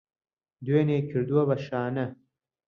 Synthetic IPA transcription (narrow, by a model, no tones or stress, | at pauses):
d̪weːneːkʰiɾd̪uwɐbɐɕaːnɐ